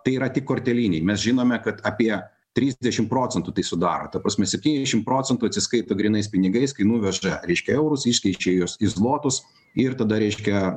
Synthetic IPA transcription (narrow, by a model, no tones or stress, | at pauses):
t̪ɐɪiːɾɐt̪ʲɪkːoːɾʲt̪ʲɛlʲiːnʲɛɪmʲɛsʒʲɪnoːmʲɛkɐt̪ɑpʲiɛ | t̪ʲɾʲiːzʲd̪ʲɛʃʲɪmpɾoːtt͡s̪ʲɛnt̪uːt̪ɐɪsʊd̪ɑːɾo̰ːt̪ɐpɾɐːsʲmʲɛsʲɛp̚ʲt̪ʲiːnʲɛzʲɛʃʲɪmpɾoːt͡sʲɛnt̪uɐt̪sʲɪskɐɪt̪oːɡɾʲinɐɪspʲɪnʲɪɡɐɪskɐɪnuːʋʲɛʒɐɾʲɛɪʃʲkʲɛɛʊɾʊsɪʃʲkʲɛɪt͡ʃʲeːjoːsɪzlˠoːt̪ʊs | ɪrt̪ɐd̪ɐɾʲɛɪʃʲkʲɛ